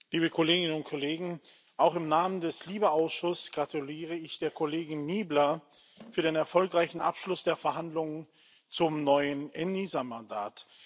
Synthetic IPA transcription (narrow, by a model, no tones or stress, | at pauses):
liːbəkʰoleːɡɪnənʊntkʰoleːɡŋ̩ | ʔaʊxɪmnaːməndɛsliːbəaʊsʃʊsɡ̥ʁatuliːʁ̞əɪçd̥eːɐkʰoleːɡɪnniːblɐ | fyːɐɾeːnɛɐfɔlkʁaɪçn̩ʔa̰pʃlʊsd̥eːɐfɛɐɦandlʊŋən | t͡sʊmnɔʏənʔɛniːzamanda̰ːt